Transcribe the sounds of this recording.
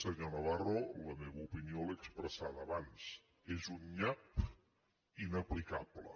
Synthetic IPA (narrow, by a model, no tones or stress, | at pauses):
səɲonəβaroləmeβəupinioləkspɾəsaðəːβans | ezunʎap | inəplikablə̰